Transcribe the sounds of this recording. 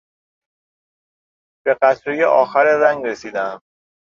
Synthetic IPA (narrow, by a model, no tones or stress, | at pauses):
b̥e̞ɢæt̪ʰɾejeʔɒːxæɾeɾæŋɡɾesiːd̪æm